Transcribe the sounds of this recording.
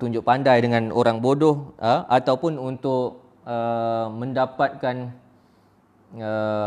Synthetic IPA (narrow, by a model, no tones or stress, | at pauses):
t̪uɲd͡ʒʊʔpandajdəŋãno̰ɾaŋbodɔhəat̪awpʊnunt̪ʊʔ | əməndapat̪̚kan | ə